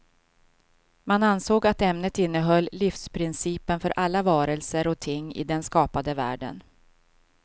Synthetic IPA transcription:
manansoːɡat̪ɛmnət̪ɪn̪ːəɦœlːɪfspʰɾɪnsiːpənfœɾʔalːavɑːɾəlsəɾɔt̪ʰɪŋːɪ̰d̪ɛnskɑːpad̪əvæ̰ːɖə̰n

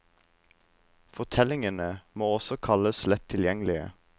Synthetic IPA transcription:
fɔt̪ʰɛlɪŋənəmoːɔsɔkʰɑləslɛt̪ʰːɪljɛŋlɪə̰

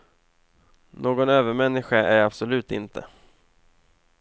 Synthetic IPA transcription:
nʔoːɡɔnøːvəɾmɛnːɪɧaʔæɾabsɔlʉ̟ːt̪ɪ̰nt̪ʰə̰

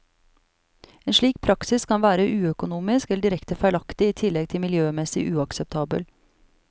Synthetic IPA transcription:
eːnʂɭiːk̚pʰɾɑksɪskʰɑnʋæːɾəʔʉːœkʊnuːmɪskɛləɖɪɾɛkt̪əfæɪlɑkt̪ɪiːt̪ʰɪlːɛɡ̚t̪ʰɪlmɪljøːmɛsɪʔʉːɑksɛp̚t̪ʰɑːbə̰l

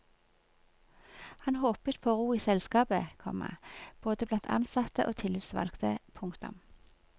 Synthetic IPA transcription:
hɑnhoːpət̪̚pʰoːʁuːiːsɛlskɑːbəkʰɔ̰mə̰b̥oːd̪əblɑnt̪ʰɑ̰nsɑt̪əʔoːt̪ʰɪlɪt̪sʋɑ̰lkt̪ʰəpʰʊŋkt̪ʊ̰m

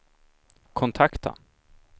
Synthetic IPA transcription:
kʰɔnt̪ʰakt̪a̰

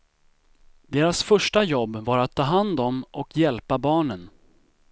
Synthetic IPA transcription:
d̪eːɾasfœʂʈajɔbːvaɾat̪ʰːɑːɦand̪ɔmʔɔkjɛlpabɑːɳən

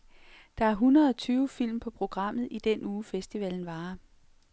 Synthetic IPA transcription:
d̥ɑ̈æɐɦunɐð̩ˠɒt͡sʰyːʊəfil̰mpʰɒ̽pʰʁo̝ɡ̥ʁɑ̈m̰ð̞̩ˠid̥enuːfesd̥iʋɛln̩ʋɑ̈ː

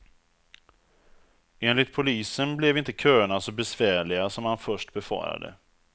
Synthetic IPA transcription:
eːnlɪt̪̚pʰʊliːsənblɛvɪnt̪əkʰøːɳasɔbɛsvæːɭɪɡasɔmhanfœʂʈbɛfɑ̰ːɾa̰d̪ə̰

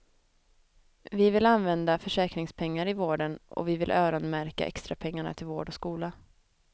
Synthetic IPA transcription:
vɪvɪlanvɛnd̪afœʂɛːkɾɪŋspʰɛŋːaɾɪvoːɖənʔɔ̰vɪvɪlʔøːɾɔnmæɾka̰ʔɛ̰kst̪ɾapʰɛŋːaɳa̰t̪ʰɪlvoːɖɔskuːla

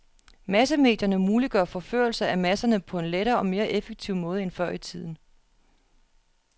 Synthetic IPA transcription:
mæs̬əme̝̰ːd̥jɐnəmuːliɡ̥ɶɐfɒ̽fø̰ːɐl̩sɐæmæsɐnəpʰɒ̽e̝nleɾɐːɒ̽me̝ːɐʔefeɡ̥̚t͡sʰiʊ̰mɔ̽ːð̞̩ˠəenfɶɐ̰it͡sʰið̞̰ˠn̩

